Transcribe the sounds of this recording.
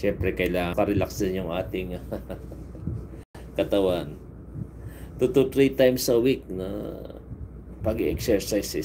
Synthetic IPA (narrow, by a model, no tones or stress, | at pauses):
ʃɛmpɾɛkɐjlaːŋkɐɾɛlaksɐnjʊŋʔaːt̪ɪŋ | kɐt̪ɐwan | t̪ut̪ut̪ɾit̪ajmsɐwik̚nɐ̰ | pɐɡiʔɛk̚sɛɹsajsɪ